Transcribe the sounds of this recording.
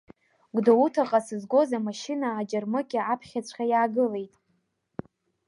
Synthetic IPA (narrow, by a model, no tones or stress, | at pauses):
ɡʷdoutʰaqʼasɨzɡʷo̞zamaʃinaːd͡ʒarmɨkʲʼɪapʰχʲat͡ɕʷʰχʲajaːɡɨle̞jtʼ